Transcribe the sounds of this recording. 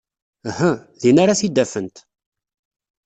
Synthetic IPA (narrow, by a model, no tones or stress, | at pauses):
həðinaɾaθid̪ːæfənt̪